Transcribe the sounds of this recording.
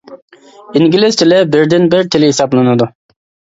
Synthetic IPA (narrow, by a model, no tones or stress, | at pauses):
iŋɡʲilɪzt̪ʰɪlɪbɪɾd̪ɪnbɪɾt̪ʰɪlɪɦisɑplˠɨnɨd̪u